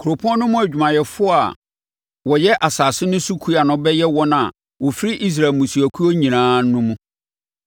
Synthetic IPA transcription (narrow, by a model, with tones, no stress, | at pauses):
kʰu˨ɾo˨pʰɔ̃˦nʊ̃˦mʊ̃˦æ˨d͡ʑᶣu˨mã˨jɛ˨fʊ˦a̰˨ | wɔ˨jɛ˦ʔa˨saː˨sɪ˦nʊ̃˦su˦kʰu˦a˨nʊ̃˨bɛ˦jɛ˦wɔ˦nã˨ | wɔ˨fi˦ɾɪ˦ʔi˦s̬ɾa˨mũ˨su˨æ˨kʰu˦ɔ˦ɲĩ˨nãː˨˦nʊ̃˦mũ˦